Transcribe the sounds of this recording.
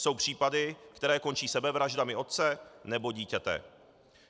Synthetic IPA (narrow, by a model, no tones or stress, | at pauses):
so̞wpr̝̥iːpadɪkt̪ɛɾɛːko̞nt͡ʃiːsɛbɛvɾaʒdamɪo̞t̪̚t͡sɛnɛbo̞ɟiːcɛt̪ɛ̰ː